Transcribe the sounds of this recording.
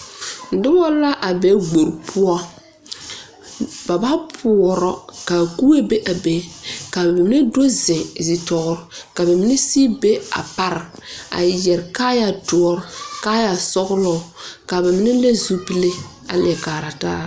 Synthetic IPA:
dɪ˦bɔ˦la˦ʔa˨be˨˦ɡ͡bo˨ɾpʰʊ˦ɔ˦ | ba˨ba˦pʰu˨ɔ˨ɾɔ˨ka˨ku˦e˦be˦ʔa˨be˨ka˨ba˨ma˨mi˦ne˦do˦zɪ̃˨zi˨tɔ˨ɣʊ˨ɾka˨ba˨mi˦ne˦si˦be˦a̰˨pa˨ɾa̰˨jɛ˨ɾkaː˦ja˨tu˨ɔ˨ɾka˦ja˨sɔ˦ɣlɔ˨ka˨ba˨mi˦ne˦le˦zu˦pi˦le˦ | a̰˨lɛ˨kaː˨ɾa˨ta̰ː˦

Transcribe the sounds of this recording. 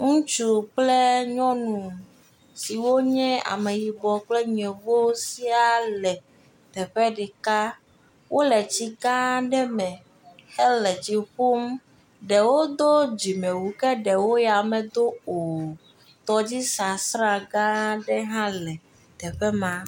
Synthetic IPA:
ŋũ˦t͡ʃu˦k͡ple˦ɲɔ̃˦nũ˨m | si˨wo˦ɲɛ̃˦a̰˨me˨ji˨bɔ˨k͡plɛ˦ɲ˨ɛ̃˨vo˦si˦a˨lɛ˨ | t̪ɛ˨ɸɛ˦ɖi˨ka˦ | wʔo˦lɛ˨t͡ɕi˦ɡã˦ɖɛ˦mɛ̃˨ | he˦lɛ˨t͡ɕi˨ɸu˦m | ɖɛ˨wo˦d̪o˦d͡ʑi˨mẽ˨wu˨kɛ˦ɖɛ˨wo˦ja˨mɛ̃˨d̪o˦o˨ | t̪ɔ˦d͡ʑi˦sa˨sɾa˦ɡã˦ɖɛ˦ɦã˦lɛ˨ | t̪ɛ˨ɸɛ˦mã˨

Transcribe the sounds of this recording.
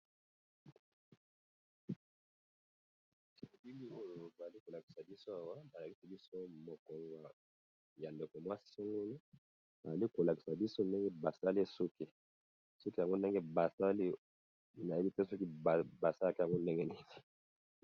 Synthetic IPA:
ti˨˦a˨bi˦mi˦o˦jo˨ba˨za˨li˦ko˨la˨ki̥˨sa˨bi˦so˦a˨wa˦ba˨la˨ki˦sa˨bi˦so˦mo˨kɔ˨ŋɡwa˨ | ja˨nde˨ko˨mwa˦si̥˦so˦ŋɡo˦ni˦ | ba˨za˨li˦ko˨la˨ki̥˨sa˨bi˦so˦nde˦ŋɡe˦ba˨sa˦le˦su˦ki˨ | so˦ki˦ja˨ŋɡo˦nde˦ŋɡe˦ba˨sa˦li˦ | na˨e˦li˦tɛ˦sɔ˦ki˦bba˨sa˦a˨ki˦ja˨ŋɡo˦nde˦ŋɡɛ˦ne˦zi̥˨

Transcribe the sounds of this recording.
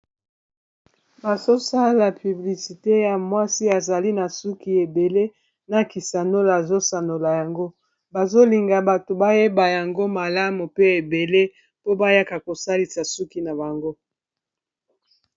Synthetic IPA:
ba˨zo˦sa˦la˨py˨bli˨si˨te˦ja˨mwa˦si˦a˨za˨li˦na˨su˦ki˨e˨be˨le˦ | na˨ki˨sa˨no˦la˨a˨zo˦sa˨no˨la˨ja˨ŋɡo˦ | ba˨zo˦li˨ŋɡa˨ba˨to˨ba˦je˦ba˨ja˨ŋɡo˦ma˨la˦mu˨pe˦e˨be˨le˦ | po˦ba˦ja˦ka˨ko˨sa˦li˨sa˨su˦ki˦na˨ba˨ŋɡo˦

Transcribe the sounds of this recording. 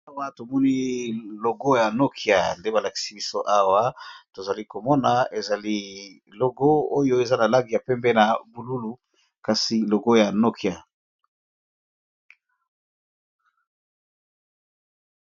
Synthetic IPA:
a˦wa˦to˨mɔ˦ni˦lo˨ɡo˦ja˨no˦kʰi˨a̰˨nde˦ba˨la˨ki̥˨si˨bi˦so˦ʔa˦wa˦to˨za˨li˦ko˨mɔ˦na˨e˨za˨li˦ | lo˨ɡo˦o˦jo˦e˨za˦na˨la˦ɡi˨ja˨pɛ˦mbɛ˦na˨bu˨lu˦lu˨ | ka˨si˨lo˨ɡo˦ja˨no˦kʰi˨a˨

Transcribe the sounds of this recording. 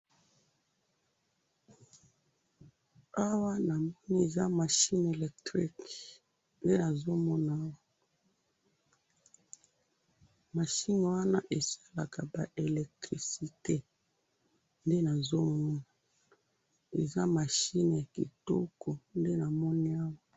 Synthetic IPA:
a˦wa˦na˨mɔ˦ni˦e˨za˦ma˨ʃi˦n˨e˨lɛ˨k̚tʁi˦k | nde˦na˨zo˦mɔ˦na˨a˦wa˦ | ma˨ʃi˦n˨wa˦na˦ʔe˨sḁ˦la˨ka˨ba˨ʔe˨lɛ˨k̚tʁi˨si˨te˦ | nde˦na˨zo˦mɔ˦na˨ | e˨za˦ma˨ʃi˦n˨ja˨kḭ˨to̰˦kʰo˨nde˦na˨mɔ˦ni˦a˦wa˦

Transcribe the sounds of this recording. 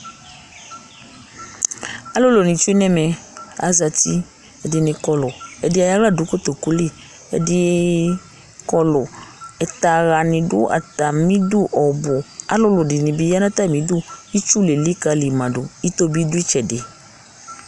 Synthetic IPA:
a˦lʊ˦lo˨nĩ˨t͡ʃnɛ˦mɛ˨a̰˨za˧ti˦ | ɛ˨dɪ˨nɪ̃˧kɔ˨lʊ˨ɛ˨dɪ˧˦a˨ja˦la˦˨dʊ˨˦ko˦t̪o˨ku˦li˦˨ | ɛ̰˨dɪ˧ | kɔ˧lʊ˨ɛ˨t̪a˨ɣa˨nɪ̃˨dʊ̰˦ʔa̰˨ta˨mĩ˦du˦˨ʔɔ˨bʊ˨a̰˨˦lʊ˦lʊ˨dɪ˨nĩ˨bi˨˦ja˦nã˦t̪a˦˨mĩ˨˦du˦i˦t͡ʃu˦le˨li˦ka˧li˨mã˨dʊ˨i˦t̪o˦bi˦dʊ˦i˦t͡ʃɛ˨dɪ˨

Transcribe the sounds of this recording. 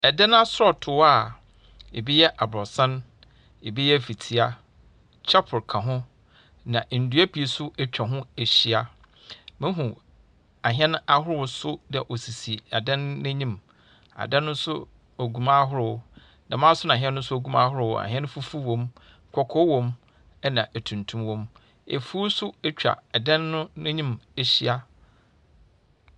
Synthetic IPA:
ɛ˨dɛ̃˦n˦a˦sɾɔ˦˨tʰʊ˨˦a˨ | ḛ˨bi˦jɛ˦ʔa˨bɾɔ˨sã˦n | e˨bi˦jɛ˦˨fi˨tʰi˨a˦ | t͡ɕʰɛ˦pʰʊ˨ɾkʰã˨ɦʊ̃˦ | nã˨ʔn̩˨du˦æ˦pʰi˨e˨sʊ˦ʔɛ˦t͡ɕᶣa˨ɦʊ̃˦e˨ɕi˨a˨ | mɪ̃˦ɦũ˨ | a˨ɦɛ̃˦n˦a˦hʊ˦ɾʊ˦wʊ˨˦sʊ˦dɛ˨ʔɔ˨si˨si˨a˨dã˦nːɪ̃˦ɲĩ˦m | a̰˨dã˦nːʊ̃˦sʊ˦ | o˨ɡu˨mã˦ɦʊ˦ɾʊ˦˨ | nã˨mã˦sʊ˦nã˨ɦɛ̃˦nːʊ̃˦sʊ˦æ˨ɡũ˦ma˦ɦʊ˦ɾʊ˦˨wa̰˨ɦɛ̃˦n˦fu˦fu˦wɔ̃˨m | kʰɔ˨kʰɔ˦wɔ̃˦m | ɛ˦nã˨ʔæ˨tʰũ˨ntʰũ˦mwɔ̃˦m | ḛ˨fu˦sʊ˦ɛ˦t͡ɕᶣa̰˨a˨dã˦nːʊ̃˦nɛ̃˦ɲĩ˦mɛ˨ɕi˦a˦

